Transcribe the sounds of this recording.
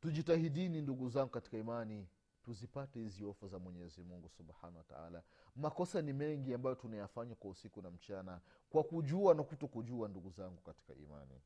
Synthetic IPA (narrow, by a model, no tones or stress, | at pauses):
tuʄitahiɗininduɡuzaŋɡukati̥kaimani | tuzipatɛhiziɔfazamwɛɲɛzimuŋɡusubħa̰nawata̰a̰la | makɔsanimɛŋɡiambajɔtunajafaɲakwausikunam̩t͡ʃana | kwakuʄuanakutɔkuʄuanduɡuzaŋɡukati̥ka̰ḭma̰nḭ